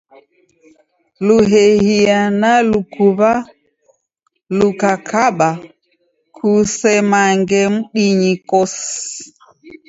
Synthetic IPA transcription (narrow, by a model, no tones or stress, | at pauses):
luɦɛhianalukuβa | lukakʰaɓa | kʰusɛmaŋɡɛm̩ɗiɲikɔs